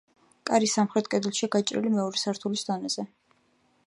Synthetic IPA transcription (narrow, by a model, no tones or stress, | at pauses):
kʼaɾisamχɾɛt̪̚ʰʼkʼɛd̪ilˠʃiaɡat͡ʃʼɾḭlimɛɔɾɛsaɾt̪ʰulisd̪ɔnɛz̥ɛ